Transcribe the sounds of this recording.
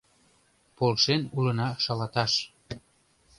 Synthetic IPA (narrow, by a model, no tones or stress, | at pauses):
polʃenulənɑʃɑlɑt̪ɑʃ